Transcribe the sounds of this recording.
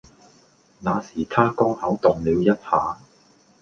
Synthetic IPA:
naː˨˧siː˨˩t̪ʰaː˥kɔː˥ŋhɐ˨˥wt̪ʊ˨ŋliː˨˧wjɐ˥t̚haː˨˧

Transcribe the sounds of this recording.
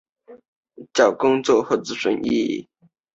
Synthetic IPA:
t͡ɕjɑ˨˩ʊkʊ˥ŋt͡swɔ˥˧xwɔ˥˩t͡sɹ̩˧˥˩ʂwə˧˥˦nʔḭ˥˧˨

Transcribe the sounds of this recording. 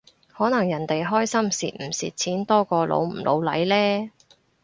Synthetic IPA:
hɔː˨˥nɐ˨˩ŋjɐ˨˩nt̪e˨jɦɔː˥jsɐ˥msḭ˨t̚m̩˨˩sḭː˨t̚t͡sʰiː˨˥nt̪ɔː˥kɔː˧lo̰˨˧wm̩˨˩lʔo̰˨˧wlɐ̰˨˥jlɛː˥

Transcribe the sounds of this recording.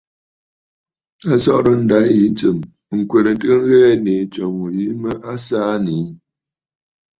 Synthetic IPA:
a˦sɔ˦ʔɾə˦n̩˦da˨˦ji˦n˦t͡sə˨m | ŋ̩˨kwe˨ɾə˨n˦tɨ˦ə˦ŋ˦ɣɛː˦ne˨t͡ʃɔ˨ŋu˨ji˨˦mə˦ʔa˦saː˦ni˨˦

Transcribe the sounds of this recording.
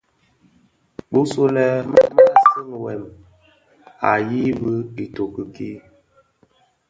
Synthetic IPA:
bu˦so˦lɛ˦ma̰˦ma˦˨si˦m˨wɛ˨m | a˨ji˦bə˦i˨to˨kə˨ki˦

